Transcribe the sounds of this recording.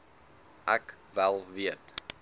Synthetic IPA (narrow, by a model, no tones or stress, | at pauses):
ʔækvælˠviət